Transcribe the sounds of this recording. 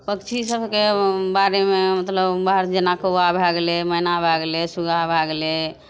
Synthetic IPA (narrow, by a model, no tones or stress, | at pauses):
pəkt͡ʃʰisəbʱkebaɾememət̪ləbbaɾd͡ʒenakoabʱaɡleməinabʱaɡlesuɡʱabʱaɡle